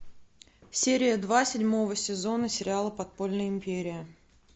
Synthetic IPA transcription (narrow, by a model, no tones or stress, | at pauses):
sʲeɾʲɪjəd̪vasʲɪdʲmo̞vəsʲɪzo̞nəsʲɪɾʲɪalˠəpɐt̪̚po̞lʲnəjɪmʲpʲeɾʲɪjɪ